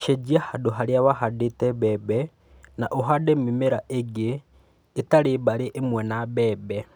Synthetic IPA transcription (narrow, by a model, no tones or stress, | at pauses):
ʃed͡ʒiahadoɦaɾjaβaɦadetɛβɛbɛ | naʔoɦademimeɾaʔeɡeː | taɾebaɾeʔemwɛnabɛːbɛ